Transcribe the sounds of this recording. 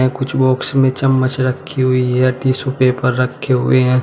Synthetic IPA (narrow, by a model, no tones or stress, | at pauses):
ɛ̃kʊt͡ʃʰbɔːksmẽt͡ʃɐmːət͡ʃɾɐkʰːiɦʊiɦɛʈiːsupepɐɾːɐkʰːeɦʊ̰eɦɛ̃ː